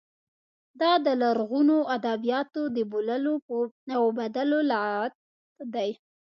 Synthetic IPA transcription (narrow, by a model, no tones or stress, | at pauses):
d̪ɑd̪əlaɾɣunoʔad̪abijɑt̪od̪əboləlonawbad̪alolɑt̪ | d̪aj